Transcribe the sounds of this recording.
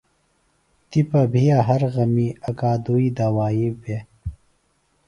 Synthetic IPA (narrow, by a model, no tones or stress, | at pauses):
t̪ipɐbʱijaɦɐɾɣɐmiːɐkaːd̪uiːd̪awaːibe